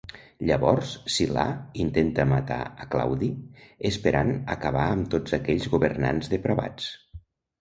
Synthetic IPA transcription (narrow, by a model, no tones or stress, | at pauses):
ʎəβɔɾssila̰int̪ent̪əmat̪a̰əkla̰wðiəspeɾʔanə̰kəβaəmt̪od͡zəkɛʎzɣuβərna̰nzðəpɾəβa̰t͡s